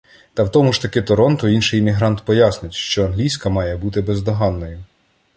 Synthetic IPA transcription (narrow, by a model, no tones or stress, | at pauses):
t̪ɐwt̪ɔmʊʃt̪ɐkɪt̪ɔɾɔnt̪ʊinʃɪjɪmʲiɦɾɑnt̪pɔjɑsnɪtʲʃt͡ʃɔɐnɦlʲijsʲkɐmɑjɛbut̪ɪbɛzd̪ɔɦɑnːɔjʊ